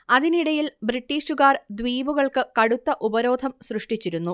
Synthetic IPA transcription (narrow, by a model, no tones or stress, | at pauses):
ɐðiniɽɐjilbriʈːiːʂuɣaːrd̪ʋiːbuɣɐɭkɨkɐɽut̪ːɐʔubɐɾo̞ːd̪ʱɐmsrɨʂʈit͡ɕːiɾunːu